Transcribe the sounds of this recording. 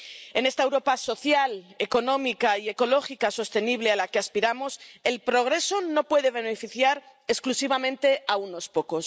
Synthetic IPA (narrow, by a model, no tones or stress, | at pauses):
e̞ne̞st̪aewɾo̞paso̞θjale̞ko̞nõ̞mikaie̞ko̞lo̞xikaso̞st̪e̞niβle̞alake̞aspiɾamo̞se̞lpɾo̞ɣ̞ɾe̞so̞no̞pwe̞ðe̞β̞e̞nefiθjaɾ | esklusiβamẽnt̪e̞auno̞spo̞ko̞s